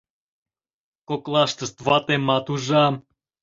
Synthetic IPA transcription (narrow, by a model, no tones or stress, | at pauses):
koklˠaʃt̪əst̪vat̪emat̪uʒam